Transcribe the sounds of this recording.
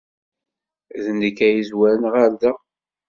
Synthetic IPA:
ðənːəkːæjizwæɾnəʁaɾðæ

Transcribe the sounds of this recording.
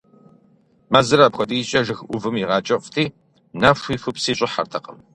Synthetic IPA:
mazɨɾaːpxʷɔdiːɕʼɐʒɨxʔʷʊvɨmiʁɑːt͡ʃʼɐʔʷtʰiː | naʂʷiːfɨpsiːɕʼɪħa̰rtʰɐqʼə̰m

